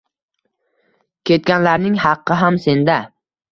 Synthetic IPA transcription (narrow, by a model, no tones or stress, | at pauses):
kʲʰe̞t̪̚kʲanlaɾnɪŋhɑqːɨɦamse̞nd̪a